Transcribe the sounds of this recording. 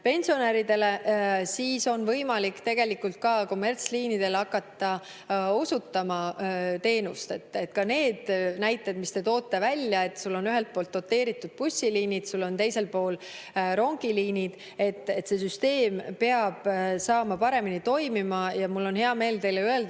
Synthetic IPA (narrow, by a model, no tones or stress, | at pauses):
pe̞nʲsio̞neɾid̪e̞le̞siːso̞nvɤjmɑlikːt̪e̞ɡ̥e̞likːult̪̚kɑko̞mːe̞rt̪sliːnid̪̥e̞lɑkːˑɑt̪ːɑ | o̞sut̪ːɑmɑt̪e̞ːnust̪et̪ːˑet̪ːˑkɑne̞ːd̪̥næjt̪ːˑed̪̚mist̪e̞t̪o̞ːt̪ːˑe̞vælʲjɑe̞t̪ːsulːo̞nyɦe̞lt̪̚po̞ːlt̪ːo̞t̪ːe̞ːɾit̪ːˑud̪̥̚pusʲːiliːnid̪̥sulːo̞nt̪e̞jse̞lpo̞ːl | ɾo̞ŋɡ̥iliːnid̪̥ | e̞t̪ːˑet̪se̞syst̪e̞ːmpe̞ɑb̥sɑːmɑpɑɾe̞minit̪o̞jmimɑjɑmulːo̞nɦe̞ɑme̞ːlt̪e̞jleye̞ld̪